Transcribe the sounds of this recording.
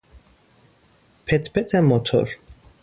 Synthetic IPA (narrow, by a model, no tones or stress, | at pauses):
pʰɛt̪ʰpʰɛt̪ʰɛmɔt̪ʰɔ̰ɾ